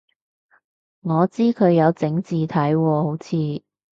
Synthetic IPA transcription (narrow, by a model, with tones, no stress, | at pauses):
ŋɔː˨˧t͡siː˥kʰɵ˨˧ɥjɐ˨˧wt͡sɪ˨˥ŋt͡siː˨˧t̪ʰɐ˨˥jwɔː˧ho˨˥wt͡sʰiː˨˧